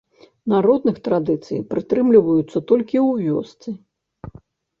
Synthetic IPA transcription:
naɾɔd̪nɨxt̪ɾad̪ɨt̪sɨ̰jpɾɨt̪ɾɨmlʲivɐjut̪sːɐt̪ɔlʲkʲiwvʲɔ̰st̪sɨ

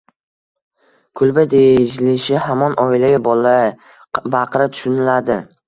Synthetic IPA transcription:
kʰʊlˠbad̪eɪʃlɪʃɪhamɒnʔɒɪlaɡʲabɒla | baqɾat̪ʰʊ̥ʃʊnɪlad̪ɪ

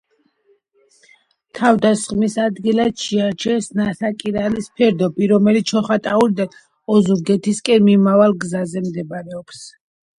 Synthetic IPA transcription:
t̪ʰavd̪asχmisad̪ɡilad̪ʃɛat͡ʃʰɛsnasakʼiɾalispʰɛɾd̪ɔbiɾɔmɛliʃʰɔχat̪ʼaulid̪an | ɔzuɾɡɛt̪ʰiskʼɛnmimavalˠɡzazɛmd̪ɛbaɾɛɔps

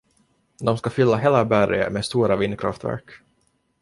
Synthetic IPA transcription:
d̪ɔmskafʏlːaɦeːlabæɾə̰meːst̪uːɾavɪnːəkʰɾa̰ft̪væ̰ɾk

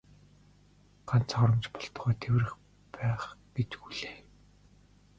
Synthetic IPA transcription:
ɢ̥an̥t͡sχɔɾɞ̆mt͡ɕpɔ̥ɬt̪̆χɔːt̪ʰewrɘ̆x | pæːχɡet͡ɕ̪ɡuɮeː

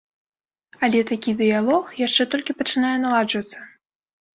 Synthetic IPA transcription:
alʲɛt̪akʲid̪ɨjalˠɔxjaʂt͡ʂɛt̪ɔlʲkʲipɐt͡ʂɨnajɛnalˠad͡ʒvɐt̪sːɐ

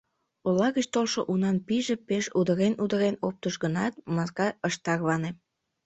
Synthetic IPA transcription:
olɑɣət͡ɕt̪olʃo̰ʔunɑnpiʒepeʃud̪əɾenud̪əɾenop̚t̪əʃɡənɑt̪̚mɑskɑəʃt̪ɑrβɑne

